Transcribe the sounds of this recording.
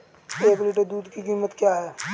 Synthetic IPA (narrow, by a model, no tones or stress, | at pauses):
eːkliːʈ̬əɾd̪uːd̪kikiːmət̪kjaɦɛː